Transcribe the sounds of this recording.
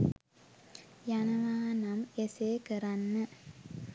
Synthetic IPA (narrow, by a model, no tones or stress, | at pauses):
janəʋaːnameseːkəɾanːə